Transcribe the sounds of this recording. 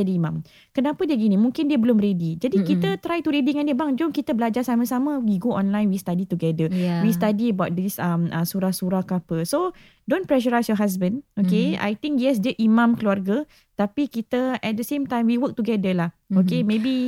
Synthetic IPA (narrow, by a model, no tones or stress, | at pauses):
adiimãm | kənãpədiəɡinĩmũŋkɪndiəbəlʊmredid͡ʒadikit̪ət̪ɾajt̪uɾediŋandiəbaŋd͡ʒʊŋkit̪əbəlad͡ʒarsamə̃samə̃wiɡoʔɔ̃nlãjnwist̪adit̪uɡɛdəwist̪adiəbaʊt̚disəməsuɾahsuɾahkapəso | dõnpɾɛʃəɾajsjɔɦas̬bə̃nokea̰jt̪ĩŋkjɛs̬dəʔimãmkəluarɡə | t̪apikit̪əɛt̚dəsẽmt̪ãjmwiwək̚t̪uɡɛdəlahokemẽbi